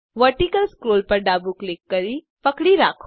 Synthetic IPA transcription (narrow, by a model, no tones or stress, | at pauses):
ʋəɾʈikəlskɾoːlpɐɾɖaːbuklɪkːɐɾi | pɐkɽiɾaːkʰ